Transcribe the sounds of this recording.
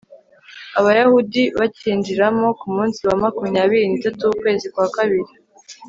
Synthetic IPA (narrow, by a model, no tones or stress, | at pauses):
aβajahudiβaciːɲd͡ʒiɾamo̞kumuːnsiwamakumɲaːβiɾiːnitatukwe̞ːzikwaːkaβiɾi